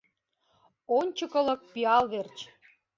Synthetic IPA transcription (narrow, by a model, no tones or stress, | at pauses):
onʲt͡ɕəkə̆lɤ̆k̚piɑlβert͡ɕ